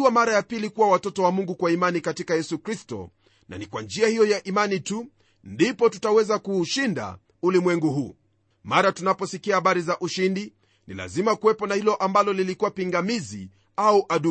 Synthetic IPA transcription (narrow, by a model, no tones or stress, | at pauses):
wamaɾajapilikuwawatɔtɔwamuŋɡukwaimanikatikajɛsukɾistɔ̰ | nʔa̰nikwand͡ʒiahijɔjaʔimanitu | ndipɔtutawɛzakuːʃinda̰ | ulimwɛŋɡuɦuː | maɾatunapɔsikiahaɓaɾizaʔuʃindi | nḭla̰zimakuwɛpɔnahilɔʔambalɔlilikuwapiŋɡamizi | auʔaɗu